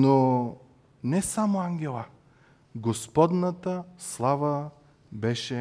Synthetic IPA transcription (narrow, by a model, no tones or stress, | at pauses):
no | nɛsamoaŋɡʲɛlˠə | ɡospɔd̪nət̪əslˠavə | bɛʃɛ